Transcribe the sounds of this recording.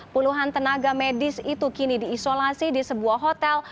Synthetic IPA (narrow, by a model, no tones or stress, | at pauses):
puluɦant̪ənaɡamedɪsit̪ukinidiːsolasidisəbuaɦot̪ɛl